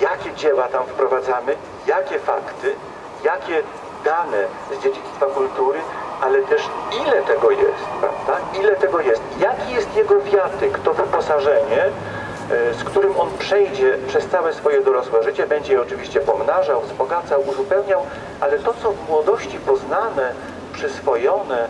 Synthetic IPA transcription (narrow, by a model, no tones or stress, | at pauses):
jakʲɛd͡ʑɛwat̪amfpɾɔvad̪zamɘ | jakʲɛfa̰kt̪ɘ | jakʲɛ | d̪anɛ | zd͡ʑed͡ʑit̪st̪fakult̪uɾɘʔalɛt̪ɛʂilɛt̪ɛɡɔjɛ̰st̪pɾa̰vd̪ailɛt̪ɛɡɔjɛst̪ijakʲijɛst̪jɛɡɔvʲjat̪ɛkt̪ɔvɘpɔsaʐɛɲɛ | skt̪uɾɘmɔnpʂɛjd͡ʑɛpʂɛst̪sawɛsfɔjɛd̪ɔɾɔswɛʐɘt͡ɕɛbɛɲd͡ʑɛjɛɔt͡ʂɘvʲiɕt͡ɕɛpɔmnaʐawzbɔɡat̪sawuzupɛwɲaw | ʔalɛt̪ɔt̪sɔvmwɔd̪ɔɕt͡ɕipɔznanɛ | pʂɘsfɔjɔnɛ